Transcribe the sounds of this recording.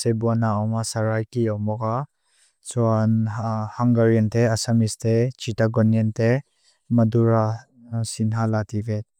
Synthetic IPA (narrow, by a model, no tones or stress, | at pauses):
sebuanaɔmasaɾajkiɔwmɔka | suanhaŋɡaɾjent̪easamistʰet͡ʃitaɡɔnient̪e | mɐduɾa | sinɦalatʰivet̪̚